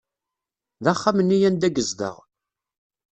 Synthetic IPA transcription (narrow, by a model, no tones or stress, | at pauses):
ðaχːamənːijænd̪æɡəzðə̰ʁ